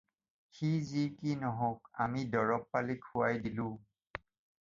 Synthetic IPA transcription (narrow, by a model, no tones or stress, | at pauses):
xizikinɔɦɔ̃ka̰midɔɹɔpːalikʰuwajdilʊ̃